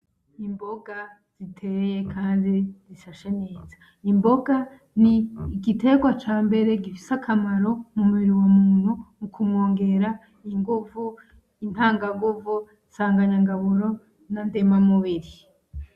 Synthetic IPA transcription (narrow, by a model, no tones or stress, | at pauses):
imbo̞ɡa | z̥itʰe̞ɾje̞kʰaːndizifaʃe̞ne̞ːzḁ | imbo̞ɡa | niɡite̞ɡwat͡ʃaːmbe̞ɾe̞ɡifisakʰamaɾo̞mumuβiɾiwamuːn̥humukumŋo̞ːŋɡe̞ɾa | iŋɡuvu | in̥haːŋɡaŋɡuvu | saːŋɡaɲaŋɡaβuɾo̞ | nandemamuβiɾi